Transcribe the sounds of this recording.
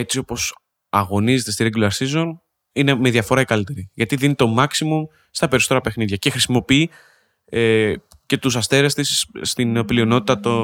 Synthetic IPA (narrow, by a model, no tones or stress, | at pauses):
e̞t͡sio̞po̞s | ɐɣo̞nize̞t̪e̞st̪iɾeɟloɐɾsizo̞n | ine̞meðiɐfo̞ɾɐikɐlit̪e̞ɾiʝɐt̪iðinit̪o̞mɐksimum | st̪ɐpe̞ɾisot̪eɾɐpe̞xniðʝɐce̞xɾisimo̞pii | e | ce̞t̪us̬ɐst̪e̞ɾest̪isːt̪inpliono̞t̪it̪ɐt̪o